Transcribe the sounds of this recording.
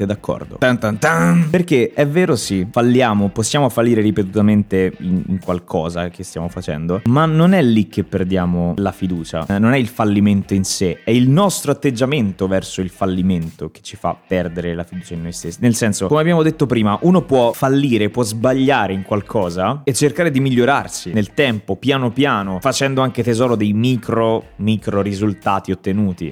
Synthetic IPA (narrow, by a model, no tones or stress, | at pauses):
t̪ed̪akʰːɔ̰rd̪o̰t̪ant̪ant̪aperkeɛvːeːɾosifalːjaːmoposːjaːmofalːiːɾeɾipet̪̬ut̪ament̪einḭŋkwalkʰɔːzakest̪ja̰ːmofat͡ʃɛ̰nd̪omanːonɛlːik̟ːepːerd̪jaːmolafid̪uːt͡ʃa̰nonɛilfalːiment̪oinseɛilnɔst̪ɾoat̪ːed͡ʒːament̪ovɛrsoilfalːiment̪ok̟e̥t͡ʃːifa̰pːɛrd̪eɾelafid̪uːt͡ʃainːojst̪esːinelsɛnsokomeabːjaːmod̪et̪ːopɾiːmaʔuːnopwɔfalːiːɾepwɔzbaʎːaːɾeiŋkwalkʰɔːzaet͡ʃːerkaːɾed̪imiʎːoɾarsinelt̪ɛmpopjaːnopjaːnofat͡ʃɛnd̪oaŋket̪ezɔːɾod̪ejmiːkɾomiːkɾoɾizult̪aːt̪iot̪ːenuːt̪ḭ